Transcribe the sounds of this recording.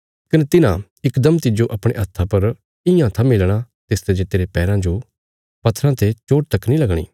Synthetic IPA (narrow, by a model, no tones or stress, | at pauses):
kɐnet̪ɪnã | ɪkd̪ɐmt̪ɪd͡ʒoʔɐpɽ̃ḛɐt̪ʰːapɐɾ | ɪjãt̪ʰamɪlɽ̃a | t̪eːst̪ed͡ʒet̪eːɾepɛːɾãd͡ʒo | pɐt̪ʰɾãt̪ʰet͡ʃoːʈt̪ɐknilɐɡɽ̃ḭː